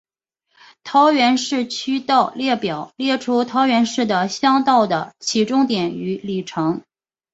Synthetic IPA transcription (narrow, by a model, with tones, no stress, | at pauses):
t̪ʰɑ˧˥ʊɥɛ˧˥nʂɻ̩˥˩t͡ɕʰy˥t̪ɑ˥˧ʊljɛ˥˩pjɑ˨˩ʊljɛ˥˩ʈ͡ʂʰu˥t̪ʰɑ˧˥ʊɥɛ˧˥nʂɻ̩˥˩d̪ə˩ɕjɑ˥ŋt̪ɑ˥˩ʊd̪ə˩t͡ɕʰi˧˥˩ʈ͡ʂʊ˥ŋt̪jɛ˨˩ny˧˥li˨˩ʈ͡ʂʰɤ˧˥ŋ